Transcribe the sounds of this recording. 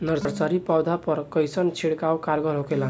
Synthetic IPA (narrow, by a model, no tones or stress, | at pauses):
nʌɾɾt͡saɾipawd̪ʱapʌɾkʌjsʌnt͡sʰiɽkawkaɾɡʌɾɦokela